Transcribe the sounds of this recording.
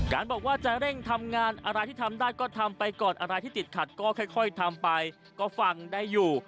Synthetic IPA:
kaː˧nbɔː˨˩k̚waː˥˩t͡ɕa˨˩ɾe˥˩ŋt̪ʰa˧mŋaː˧nʔa˧ɾa˧jt̪ʰiː˥˩a˧mdaː˥˩jkɔː˥˩t̪ʰa˧mpa˧jkɔː˨˩nʔa̰˧ɾa˧jt̪ʰiː˥˩t̪i˨˩t̪̚kʰa˨˩t̪̚kɔː˥˩kʰaː˥˩jkʰɔ˥˩jt̪ʰa˧mpa˧j | kɔː˥˩fa˧ŋdaː˥˩jːuː˨˩

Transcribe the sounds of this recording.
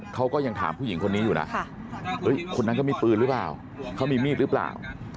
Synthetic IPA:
kʰa˦˥wkɔː˥˩ja˧ŋt̪ʰa̰ː˩˦mpʰu˥˩ji˩˦ŋkʰo˧nːiː˦˥juː˨˩na̰˦˥ʔ | ʔɤ˦˥jkʰo˧nːa˦˥nkɔː˥˩miː˧pɯː˧ɾɯ˦˥pla̰ː˨˩w | kʰa˦˥˩miː˧miː˥˩t̪̚ɾɯ˦˥pla̰ː˨˩w

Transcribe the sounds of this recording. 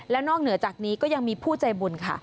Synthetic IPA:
lɛː˦˥wnɔː˥˩k̚nɯ˨˩˦ɐt͡ɕaː˨˩k̚niː˦˥kɔː˥˩ja˧ŋmiː˧pʰuː˥˩t͡ɕa˧jbu˧nkʰa̰˥˩

